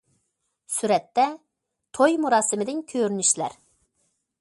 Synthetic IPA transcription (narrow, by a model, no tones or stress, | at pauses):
syɾɛt̪ːɛ | t̪ʰojmuɾɑːsɪmɪd̪ɪnkʲʰøɾynyʃlæ̰ɾ